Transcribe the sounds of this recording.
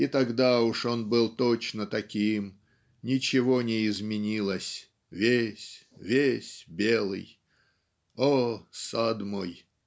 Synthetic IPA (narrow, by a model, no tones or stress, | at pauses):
ɪt̪ɐɡd̪aʊʂo̞nbɨlˠt̪ot͡ɕnət̪ɐkʲim | nʲɪt͡ɕɪvo̞nʲɪɪzmʲɪnʲilˠəsʲ | vʲesʲvʲesʲbʲelˠɨ̰j | osad̪moj